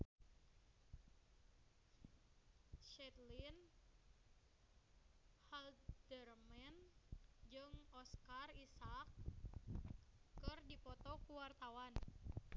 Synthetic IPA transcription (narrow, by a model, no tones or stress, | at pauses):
ʃɛt̪lin | haldərmɛnd͡ʒɨŋɔskarisak̚ | ɨrdipɔt̪ɔkuwart̪awan